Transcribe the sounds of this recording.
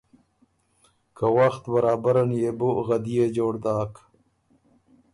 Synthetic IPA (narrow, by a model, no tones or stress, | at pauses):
kawaxt̪bɐɾaːbaɾanjebuɣɐd̪ijed͡ʒoːɽd̪aːk